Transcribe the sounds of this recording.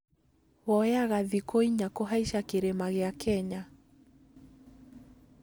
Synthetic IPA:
wɔjaɣaðikoiɲakɔɦaiʃakeɾemaɣeakʰɛɲa

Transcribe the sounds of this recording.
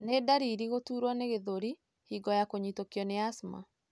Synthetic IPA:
nedaɾiɾiɣotuːɾwɔneɣeðoɾi | hiɡɔjakoɲitokjɔneasma̰

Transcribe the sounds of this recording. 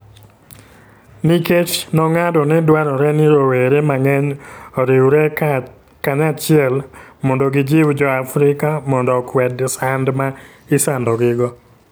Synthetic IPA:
niket͡ʃnɔŋadɔnɛdwaɾɔɾɛnɪɾoweɾemaŋɛɲoɾɪwɾɛ | kaɲat͡ʃɪɛlmɔndoɡɪd͡ʒɪwd͡ʒɔafɾɪkamɔndɔkwɛdsandma | ɪsandɔɡɪɡɔ

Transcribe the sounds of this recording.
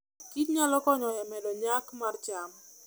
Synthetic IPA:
kitɲalɔkɔɲɔjɛmɛdɔɲakmart͡ʃam

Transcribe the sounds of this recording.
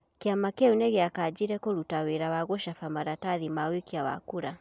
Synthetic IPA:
keamakeuneɣeakad͡ʒiɾɛkoɾutaweɾawaɣoʃafamaɾataðimawekiawa̰kuɾa

